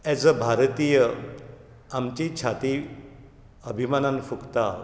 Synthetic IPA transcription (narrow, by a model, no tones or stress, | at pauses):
ɛd͡zəbʱaɾt̪ijə | amt͡ɕit͡ɕʰat̪i | əbʱimananfukt̪a